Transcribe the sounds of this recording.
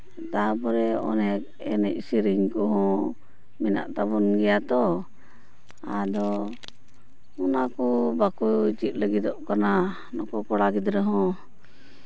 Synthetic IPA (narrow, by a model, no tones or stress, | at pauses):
t̪apɔɾɛɔ̰nɛk | ɛ̰nɛc̚siɾiɲkɔɦɔ̃ | mɛna̰ʔt̪abunɡɛjat̪ɔ | ad̪ɔ | ɔnakɔbakujt͡ʃit̪̚ˀləɡid̪ɔʔkana | nɔkɔkɔɽaɡid̪ɾɛɦɔ̃